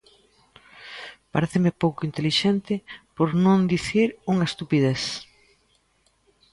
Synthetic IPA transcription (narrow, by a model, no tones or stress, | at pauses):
paɾeθɪmɪpowkʊint̪eliʃɛnt̪ɪpoɾnõnd̪iθiɾuŋɐest̪upið̞eθ